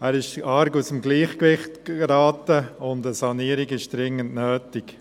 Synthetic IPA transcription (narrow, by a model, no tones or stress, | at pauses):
æːɾɪʃɑɾɡusəmɡliːχkʋɪχtɾɑːtəʊndəsɑniːəɾɪɡɪʃd̥ɾɪŋːəntnøːtɪk